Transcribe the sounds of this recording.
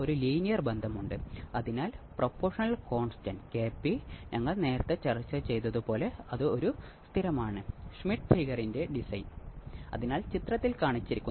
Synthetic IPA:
oɾuliːnijɐrbend̪ʱɐmuɳɖɨɐðinaːlpropːo̞ːrʂɐnɐlko̞ːɳstɐnkeːpːiɲɐŋːɐɭne̞ːɾɐt̪ːet͡ɕɐrit͡ɕːɐt͡ɕe̞jt̪ɐðupo̞ːle̞ɐðɨo̞ɾust̪ʰiɾɐmaːɳɨʂmiʈfiːɣɐrinde̞ɖisɐjnɐ̰ðinaːlt͡ɕit̪rɐt̪ːilkaːɳit͡ɕːiɾikʲːu

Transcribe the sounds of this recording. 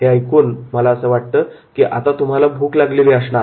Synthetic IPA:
ɦeajkuːnməlaəsəːʋaʈ̚t̪əːkiːʔa̰t̪at̪um̤alabʱuːklaɡliliəsɳa

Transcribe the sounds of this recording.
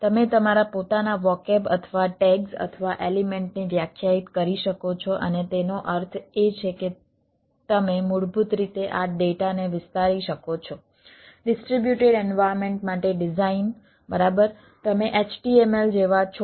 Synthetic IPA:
t̪əmet̪əmaɾapot̪anaʋɔkebə̰t̪ʰʋaʈeɡsə̰t̪ʰəʋaʔelimeɳʈniʋjakʰjait̪kəɾiʃəkot͡ʃʰɔʔənet̪enoʔəɾt̪ʰet͡ʃʰeke | t̪əmemuɽbʱut̪ɾit̪eʔaɖeʈaneʋɪst̪aɾiʃəkot͡ʃʰɔ | ɖɪsʈɾibjuʈeɖɛnʋajɾmẽɳʈmaʈeɖɪzain | bəɾabəɾ | t̪əmeʔet͡ʃʈiemeld͡ʒeʋat͡ʃʰ

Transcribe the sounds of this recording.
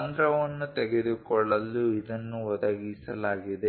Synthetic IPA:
nd̪ɾɐʋɐnːut̪ɛɡed̪ukɔɭːɐlːuid̪ɐnːuʋɔd̪ɐɡisɐ̰laːɡid̪e

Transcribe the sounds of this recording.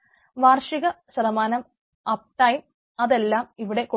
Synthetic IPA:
ʋaːrʂiɣɐ | ɕɐðɐmaːnɐm | ɐp̚ʈɐjm | ɐðe̞lːaːmiʋiɽe̞ko

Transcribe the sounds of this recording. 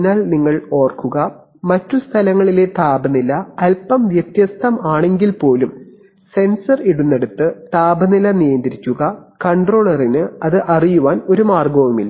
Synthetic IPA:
naːlniŋːɐɭo̞ːrkuɣɐ | mɐtːust̪ʰɐlɐŋːɐɭile̞t̪aːbɐnilɐːlpɐmʋjɐt̪jɐst̪ʰɐmaːɳe̞ŋɡilpo̞ːlum | se̞nsɐriɽunːe̞ɽut̪ːɨt̪aːbɐnilɐnijɐnd̪iɾikʲːuɣɐkɐɳɖro̞ːɭɐrinɨɐðɨʔɐrijuʋaːno̞ɾumaːrɡɐʋumḭlːɐ

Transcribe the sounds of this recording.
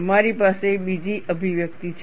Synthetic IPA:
maɾipasebid͡ʒiʔəbʱiʋjək̚t̪it͡ʃʰ

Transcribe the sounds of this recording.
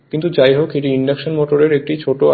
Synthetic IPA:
kint̪ud͡ʑajɦokeʈiiɳɖakʃonmoʈoɾeɾek̚ʈit͡ɕʰoʈo

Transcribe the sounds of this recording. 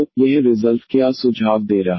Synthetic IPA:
jɛɦɾɪzəlfkjaːsʊd͡ʒʱaːʋd̪eːɾaː

